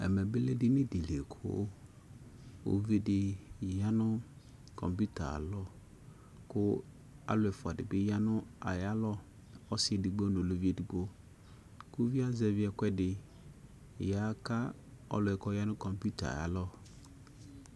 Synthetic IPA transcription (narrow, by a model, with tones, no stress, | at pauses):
ɛ̰˨mɛ̃˨bɪ˦le˦dɪ˦nɪ̃˦di˨le˨kʰʊ̰˦ | o̰˨ve˦dɪ˨ja˦nʊ̃˦ | kʰɔ̰̃˨mpu˦tʰa̰˨lɔ˦ | kʊ˦ | a̰˨lʊ˨ɛ˨fʊ˨a˨dɪ˨bɪ˦ja˦nʊ̃˦a˨ja˦lɔ˦ | ɔ˦sɪ˦ɛ˨di˨ɡ͡bo˦nʊ̃˨lo˨vi˦ɛ˨di˨ɡ͡bo˦ | kʊ˦vi˦a˦zɛ˨vɪ˦ɛ˨kʷɛ˦dɪ˨ | ja˦ka˦ | ɔ̰˦lʊ˨ɛ˨kʰɔ˦ja˦nʊ̃˦kʰɔ˨mpu˦tʰa̰˨a̰˨a̰˨lɔ˦